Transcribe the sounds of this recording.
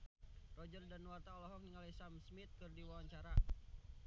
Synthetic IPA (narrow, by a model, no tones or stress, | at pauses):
rɔd͡ʒərdanuwart̪aɔlɔɦɔk̚niŋalisamsmɪt̪̚kɨrdiwawaɲt͡ʃaɾa